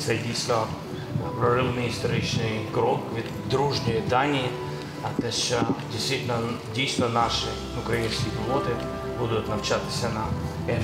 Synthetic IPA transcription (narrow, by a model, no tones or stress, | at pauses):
sɐjɪdʲisʲt̪ʲɐ | pɾɐɾɨvnɨjəst̪ɐɾʲit͡ɕnɨjɡɾokvʲi | d̪ɾuʐnɨjəd̪anʲɪɪ | ɐt̪nʲɐsadʲɪjst̪vʲitʲɪlʲnə | dʲejst̪ʲvʲənaʂɨ | ʊkɾɐinskʲɪjklot̪ɨ | bud̪ʊt̪nɐft͡ɕat̪ːɪ̥sʲɐnɐ | ɛ